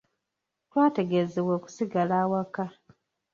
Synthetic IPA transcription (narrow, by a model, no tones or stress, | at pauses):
twaːte̞ɡe̞zewoːku̥siɡalaːwaka